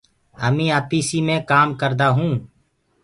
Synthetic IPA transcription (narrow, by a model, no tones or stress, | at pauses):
ə̰mĩːaːpiːsiːmẽːkaːmkəɾd̪aːɦũː